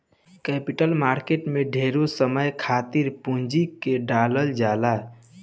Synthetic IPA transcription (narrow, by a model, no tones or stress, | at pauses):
kɛpiʈəlmaːɾkeʈmeɖʱeɾosəməjkʰat̪iɾpũnd͡ʒikeɖaləld͡ʒaːla